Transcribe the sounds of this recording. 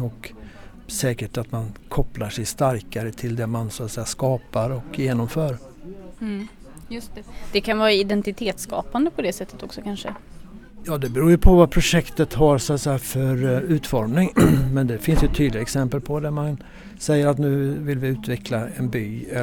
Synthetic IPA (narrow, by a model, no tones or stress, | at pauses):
ɔk | sɛːkəʈat̪mankʰɔplaʂɛjst̪aɾkaɾət̪ʰɪld̪ɛmansɔat̪sɛjːaskɑːpaɾɔkjeːnɔmfœːɾ | jst̪d̪̥ɛkʰanvɑːɾaɪd̪ɛnt̪ɪt̪ʰeːt̪skɑ̰ːpand̪əpʰɔd̪ɛsɛt̪ʰːət̪ɔksɔkʰanʂə̰ | jɑːd̪ɛbɛɾuːjɵpʰɔvapʰɾʊʂɛkt̪ət̪ɦaɾsʊat̪sɛjːafœɾʉ̟ːt̪fɔɾmnɪŋmɛnd̪ɛfɪnsjɵt̪ʰːyːd̪lɪɡaɛksɛmpəlpʰɔd̪æman | sɛjːəɾat̪nʉ̟ːvɪlvɪʉ̟ːt̪vɛkʰlaɛnbyː